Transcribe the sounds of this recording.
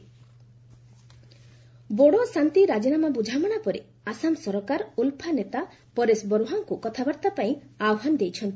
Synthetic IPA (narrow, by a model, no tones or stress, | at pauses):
boɽosant̪iɾad͡ʒinamabud͡ʒʱamɔɽ̃apɔɾe | asamsɔɾɔkaɾulpʰanet̪a | pɔɾesbɔɾuɦaŋkukɔt̪ʰabaɾt̪apaĩawɦanɔd̪ejt͡ʃʰɔnt̪i̥